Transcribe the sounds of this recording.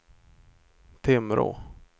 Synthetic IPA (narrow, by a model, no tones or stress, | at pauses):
t̪ʰemɾʔo̰ː